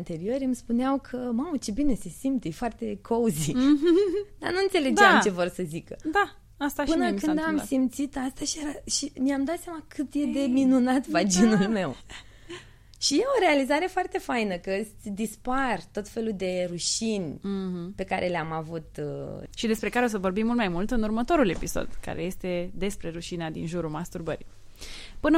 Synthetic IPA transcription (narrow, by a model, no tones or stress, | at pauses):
nt̪e̞ɾio̞ɾʲɨmspuneawkʰəmamət͡ʃebine̞se̞simt̪ejfoart̪e̞kʰouzi | d̪a̰nuɨnt̪se̞le̞dd͡ʒeamt͡ʃe̞vorsəzikəd̪a | ast̪aɨnəkɨnd̪amsimt̪sit̪ast̪aʃijeɾaʃimiamd̪at̪sʲjamakʰɨt̪je̞d̪e̞minunat̪vad͡ʒinulme̞w | ʃije̞o̞ɾe̞alizaɾe̞foart̪e̞fajnəkəɨd̪ispart̪o̞t̪fe̞lud̪e̞ɾuʃin̩ʲpe̞kaɾʔe̞leamavut̪ʃid̪e̞spɾe̞kaɾeos̬əvo̞rbimːult̪majmult̪ɨnurmət̪o̞ɾule̞piso̞̰d̪ka̰ɾe̞je̞st̪e̞d̪e̞spɾe̞ɾuʃinad̪ḭnʒuɾumast̪urbəɾḭ | pɨnə